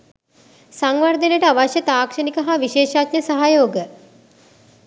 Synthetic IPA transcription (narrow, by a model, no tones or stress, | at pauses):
saŋʋaɾd̪enəʈəaʋaʃjət̪aːkʂɐnikəɦaʋiʃeːʃat̪ɲəsaɦajoːɡə